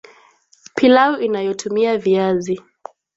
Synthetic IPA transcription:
pʰilauʔinajɔtʰumiaviazi

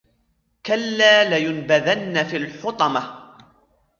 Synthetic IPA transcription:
kalːaːlajʊnbaðanːafilħʊt̪ˤɑma

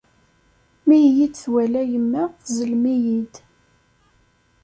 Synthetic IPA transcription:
mijjid̪θwælæjəmːæθzəlmijid̪

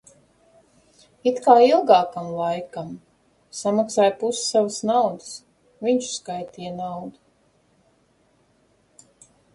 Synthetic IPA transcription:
it̪kaːilˠɡɑːkamlˠajkam | samaksaːjpussavəsnawd̪ɨs | viɲt͡ʃskajt̪iːjnawd̪u

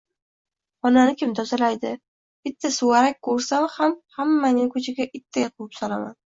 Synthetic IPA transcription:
ɒnanɪkʲʰɪmt̪ʰɒzalajd̪ɪ | b̥ɪt̪ʰːasʊwaɾak̚ʲkʰːɵɾsamhamhamːanɪŋkʰɵt͡ʃʰɪɡʲaʔɪt̪ʰːajqʰʊwɪpsɒlama̰n

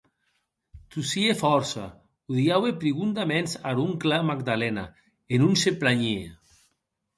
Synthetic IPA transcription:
t̪usiefɔɾsa̰ | uðiawepɾiɣund̪amɛnsaɾuŋklamaɡd̪alɛna̰ | enunseplaɲe

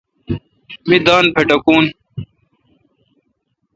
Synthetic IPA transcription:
mid̪aːnpʰeʈɐkuːn

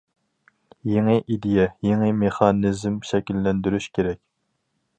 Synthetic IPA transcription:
jeŋɨʔid̪ejɛjeŋɨmeχɑnizmʃɛkʲilːɛnd̪yɾyʃkʲʰeɾɛkʲ

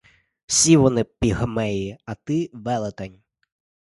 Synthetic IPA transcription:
wsʲiʋɔnɪpʲiɦmɛjiɐt̪ɪʋɛlˠet̪ɐnʲ

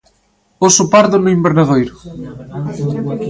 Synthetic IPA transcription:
osopaɾðʊnʊimbeɾnaðojɾʊ

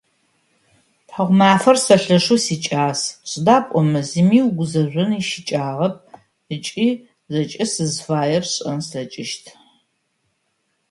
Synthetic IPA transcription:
pħɐʁʷmaːfɐrsɐɬɐʂusiːt͡ʃʼaːsɕʼdaːpʷʼɔmɨzimiːwɡʷʊzɐʒʷɨniʃɪt͡ʃʼaːʁɐp̚ | ɨt͡ʃʼiː | zɐt͡ʃʼɪsɨzfaːjɛrɕʼɐnsɐt͡ʃʼɪʃtʰ

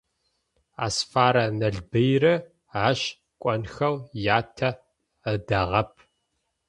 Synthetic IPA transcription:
a̰ːsfaːɾɐnɐɮbɐjrɐ | aːɕ | kʷʼɔnxɐwjaːtʰɐ | ədɐʁɐp̚ʰ

